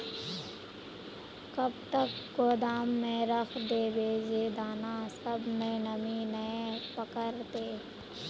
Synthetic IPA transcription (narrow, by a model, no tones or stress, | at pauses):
kɐb̚t̪əkɡoːd̪aːmːẽɾəxʰd̪eːbʱeːd͡ʒeːd̪aːnasəbmẽnəminəẽpəkəɾt̪eː